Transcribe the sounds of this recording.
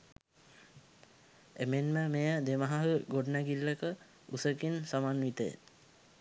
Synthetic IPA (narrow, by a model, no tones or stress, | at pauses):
emenməmejəd̪emaɦaɦəɡoɖnæɡilːəkə | usəkinsamanʋit̪əjḛ